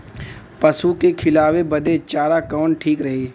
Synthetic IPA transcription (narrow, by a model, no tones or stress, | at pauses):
pəsukekʰɪlaːwebəd̪et͡ʃaːɾakɔːɳʈʰiːkɾəɦeː